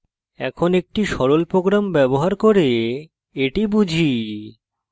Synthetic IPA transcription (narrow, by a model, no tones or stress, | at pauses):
ɛ̰kʰonek̚ʈiʃɔɾolpɾoɡɾambɛboɦaɾkoɾe | eʈibud͡ʑʱi